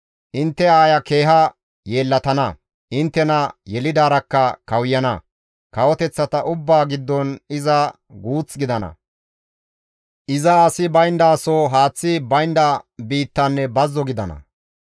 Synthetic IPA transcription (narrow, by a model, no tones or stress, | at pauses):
ʔɪnt̪ːɛaːjɐke̞ːɦɐ | jeːlːɐt̪ɐnɐ | ʔɪnt̪ːɛnɐjɛlɪd̪aːɾɐkːɐkɐwjːɐnɐ̰ | kɐwɔt̪ɛt͡sːɐt̪ɐʔʊbːaːɡɪd̪ːɔnɪzɐ | ɡuːt͡sɡɪd̪ɐnɐ̰ | ʔɪzɐːsɪbɐjnd̪aːsoːɦaːt͡sːɪbɐjnd̪ɐbiːt̪ːɐnːɛbɐzːɔɡɪd̪ɐnɐ̰